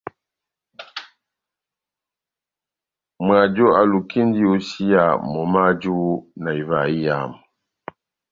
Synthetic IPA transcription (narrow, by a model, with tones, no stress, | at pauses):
mwa˨d͡ʒo˦a˨lu˨ki˦n˦di˦o˨si˦ja˨mɔ˨ma˦d͡ʒu˦na˨i˨va˨i˦ja˨m˨